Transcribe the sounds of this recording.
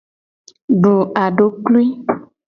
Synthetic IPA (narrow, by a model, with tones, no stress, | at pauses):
ɖo˨ʔa˨ɖo˨kli˦